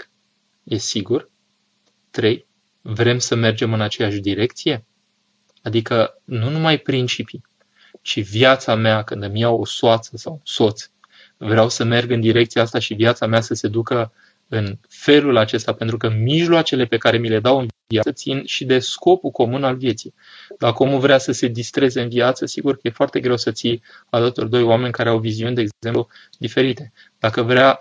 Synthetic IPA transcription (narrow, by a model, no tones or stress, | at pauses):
je̞siɡur | t̪ɾe̞j | vɾe̞msəme̞rd͡ʒe̞mɨnat͡ʃe̞jaʃd̪iɾe̞kt̪sije̞ | ad̪ikənunumajpɾint͡ʃipi | t͡ʃiviat̪sameakɨnd̪amijawo̞soat̪səsawunso̞t̪s | vɾeawsəme̞rɡɨnd̪iɾe̞kt̪siaast̪aʃiviat̪sameasəse̞d̪ukə | ɨnfe̞lulat͡ʃe̞st̪ape̞nt̪ɾukəmiʒloat͡ʃe̞le̞pe̞kaɾe̞mile̞d̪awɨnviaət̪sinʃid̪e̞sko̞puko̞munalvje̞t̪sij | d̪akəomuvɾeasəse̞d̪ist̪ɾe̞ze̞ɨnviat̪səsiɡurkəje̞foart̪e̞ɡɾe̞wsət̪sij | ad̪at̪o̞rd̪o̞joame̞nʲkaɾe̞awviziunʲd̪eɡzempu | d̪ife̞ɾit̪e̞ | d̪̥akəvɾea